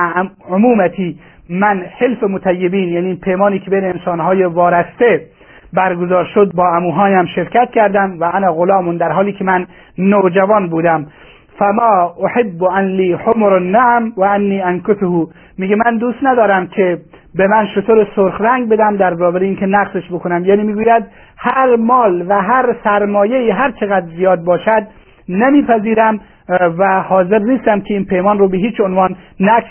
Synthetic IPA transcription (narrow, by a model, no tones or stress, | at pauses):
omuːmæt̪ʰiː | mænhelfemot̪ʰæjːebiːnjæːniːpʰejmɒːniːkʰʲebejneːnsɒːnɦɒːjevɒːɾæst̪e | bæɾɡozɒːɾʃod̪̚bɒːæmuːɦɒːnæmʃeɾkæt̪̚kʲʰæɾd̪æmvæʔænæɣolɒːmond̪æɾɦɒːliːkʲʰemænː | od͡ʒævɒːnbuːd̪æm | fæmɑːoħebːoʔænliːħomɾnːaʕmwæænːiːʔænkosohuː | miːɡemænd̪uːst̪næd̪ɒːɾæmkʲʰe | bemænʃot̪ʰoɾesoɾxɾæŋɡ̚bed̪æmd̪æɾzɒːbeɾeiːnkʰenæqseʃbokʰonæmjæːniːmiːɡuːjæd̪ | hæɾmɒːlvæɦæɾsæɾmɒːjeiːɦæɾt͡ʃʰeɣæd̪ɾzijɒːd̪̚bɒːʃæd̪̚ | nemiːpʰæziːɾæm | væhɒːzeɾniːst̪æmkʲʰeiːnpʰejmɒːnɾoːbeɦiːt͡ʃonvɒːnːæk